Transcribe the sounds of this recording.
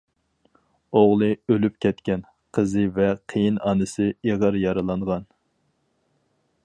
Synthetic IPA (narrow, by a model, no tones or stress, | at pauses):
oʁlˠɨølyp̚kʲʰɛt̪kʲɛn | qʰəzɨvɛqʰejinɑnɨsɨeʁɑɾjɑɾɨlˠɑɴʁɑn